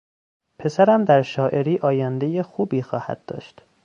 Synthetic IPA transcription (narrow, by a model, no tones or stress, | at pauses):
pʰe̞sæɾæmd̪æɾʃɒːʔe̞ɾiːʔɒːjænd̪e̞jexuːbiːxɒːhæ̰d̪̥̚ːɒ̰ːʃt̪